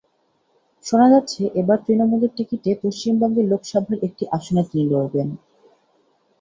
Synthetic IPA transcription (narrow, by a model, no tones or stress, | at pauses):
ʃonad͡ʑat̪ːɕʰeʔebaɾt̪ɾinomuleɾʈikiʈepoʃt͡ɕimbɔŋɡeɾlokʃɔbʱaɾek̚ʈiʔaʃonat̪iniloɾben